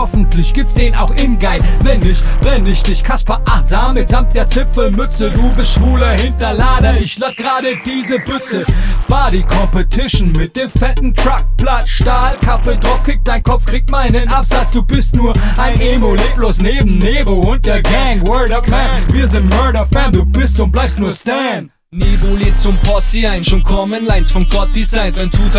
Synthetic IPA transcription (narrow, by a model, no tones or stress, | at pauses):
hɔfn̩tʰlɪçɡ̥iːp̚tsd̥eːna̰ʊxʔɪnɡaɪvɛnɪçvɛnɪçd̥ɪçkʰaspɐʔaχtz̥aːmːɪtz̥amt̚d̥eːɐt͡sɪpp͡fl̩mʏt͡səduːbɪstʃv̥uːlɐhɪntɐlaːdɐɪçlak̚ɡ̥ʁaːdədiːzəbʏt͡səv̥aːdiːkʰɔmpətʰɪʃn̩mɪt̚d̥eːmfɛtn̩tʁ̥ak̚platʃtaːlkʰapədʁɔfkʰɪk̚td̥aɪnkʰɔp͡ffkʁ̥iːk̚tmaɪnənʔapz̥at͡sd̥uːbɪstnuːɐʔaɪneːmoleːb̥loːsneːbm̩neːbl̩ʊnt̚d̥eːɐɡɛŋwɜːldɔfmɛnviːɐzɪntmɜɐɾɐfɛnduːbɪstʊ̃nt̚blaɪpstnuːɐstɛn | neːboleːt͡sʊmpʰɔsiaɪnʃʊmkʰɔmənlaɪnsfɔnɡɔt̚d̥izaɪntaɪntʰuːt